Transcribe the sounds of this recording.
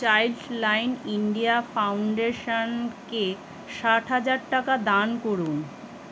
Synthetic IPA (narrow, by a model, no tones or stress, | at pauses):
t͡ɕajlslajniɳɖijafawɳɖeʃanke | ʃaʈɦad͡ʑaɾʈakad̪ankoɾun